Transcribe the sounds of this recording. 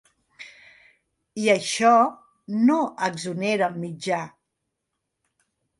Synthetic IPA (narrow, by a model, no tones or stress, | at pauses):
iəʃɔ | noʔəɡzuneɾəmid͡ʒa